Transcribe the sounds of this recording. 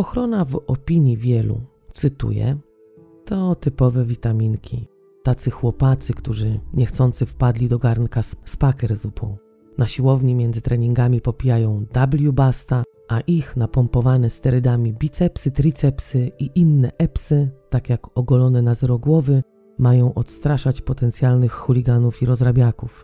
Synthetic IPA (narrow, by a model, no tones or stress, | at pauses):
ɔxɾɔnavɔpʲiɲivʲjɛlṵ | t̪sɘt̪ṵjɛ̰ | t̪ɔt̪ɘpɔvɛvʲit̪amʲiŋkʲʰḭ | t̪at̪sɘxwɔpat̪sɘkt̪uʐɘɲɛxt̪sɔnt̪sɘfpad̪lʲid̪ɔɡaɾnkasspakɛɾzupʰɔ̰̃w̃ | naɕiwɔvɲimʲjɛndzɘt̪ɾɛɲiŋɡamʲipɔpʲijajɔ̃w̃d̪ablʲjubast̪a | ʔaʔixnapɔmpɔvanɛst̪ɛɾɘd̪amʲibʲit̪sɛpsɘt̪ɾʲit̪sɛpsɘiʔinːɛʔɛpsɘt̪akʲjakɔɡɔlɔnɛnazɛɾɔɡwɔvɘ | majɔ̃w̃ʔɔt̪st̪ɾaʂat͡ɕpɔt̪ɛnt̪sʲjalnɘxxulʲiɡanufiɾɔzɾabʲjakuf